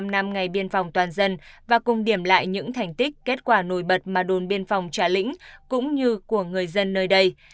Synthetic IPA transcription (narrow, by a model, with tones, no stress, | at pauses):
mna˧mŋa˨˩jɓi˧ənfɔ˨˩wŋ͡mt̪waː˨˩nzə˧nvaː˨˩kʊ˨˩ŋ͡mɗi˧˩əmla̰ː˧˨jɲɨ̰˧˥ŋt̪ʰa˨˩jŋ̟t̪ï˦˥k̟̚kːe˦˥t̚kwaː˧˩no˧˩jɓə˨˩t̚maː˨˩ɗo˨˩nɓi˧ənfɔ˨˩wŋ͡mt͡ɕaː˧˩lḭ̈˧˥ŋ̟kʊ̰˧˥ŋ͡mɲɨ˧ku˧˩əŋɨ˨˩əjzə˧nːəː˧jɗə˧j